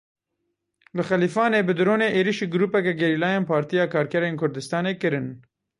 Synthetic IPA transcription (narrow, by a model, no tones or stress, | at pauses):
lɨxɛliːfɑːneːbɨd̪ɨɾoːneːʔeːɾiʃiːɡʊɾuːpɛkɛɡɛɾiːlɑːjeːnpʰɑːɾt̪ijɑːkʰɑːɾkʰɛɾeːnkʰʊɾd̪ɨst̪ɑːneːkɨɾɨn